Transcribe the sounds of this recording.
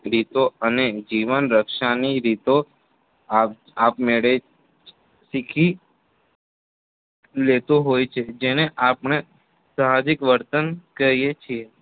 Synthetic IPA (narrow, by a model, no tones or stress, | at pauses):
ɾit̪oəned͡ʒiʋənɾəkʃaniɾit̪o | a | apmeɭe | sikʰi | let̪oɦojt͡ʃʰed͡ʒeneʔapɳe | samad͡ʒɪkʋəɾt̪ənkəɾijet͡ʃʰie